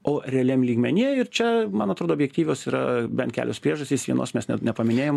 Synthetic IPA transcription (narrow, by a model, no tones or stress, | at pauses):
oːɾʲɛɐlʲɛmlʲiːɡmʲɛnʲiɛɪrt͡ʃʲɛmɐnɐt̪ɾoːd̪oːbʲjɛk̚t̪ʲiːʋʲoːsiːɾɐ̰bʲɛnt̪kʲæ̰lʲoːspɾʲiɛʒɐsʲt̪ʲiːsʋʲiɛ̰no̰ːsmʲɛsnʲɛ̰nʲɛpɐmʲɪnʲeːjoːm